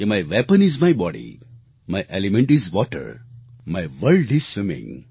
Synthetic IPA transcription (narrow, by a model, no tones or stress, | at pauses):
maɪʋɛpə̃nɪzmaɪbɔɖḭ | maɪʔelimɛ̃ɳʈizʋɔʈə̰ɾ | maɪʋəlɖɪz̥swɪmɪ̰̃ŋ